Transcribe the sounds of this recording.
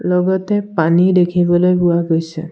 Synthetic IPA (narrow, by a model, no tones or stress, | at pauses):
lɔɡɔtɛpanidekʰibɔlojbuaɡojsʰɛ̰